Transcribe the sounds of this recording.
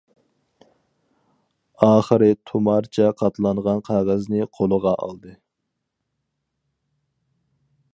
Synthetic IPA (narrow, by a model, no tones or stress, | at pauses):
ɑːχəɾɨt̪ʰumɑɾt͡ʃʰɛqʰɑt̪lˠɑnʁɑnqʰæʁæznɨqʰolˠəʁɑʔɑ̰lˠd̪ɨ